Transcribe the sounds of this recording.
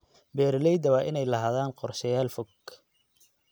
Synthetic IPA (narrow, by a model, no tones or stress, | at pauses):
bɛːɾlɛjd̪ɐβaʔɪnɛjlɐɦaːðaːnqɔrʃɐjaːlfɔɡ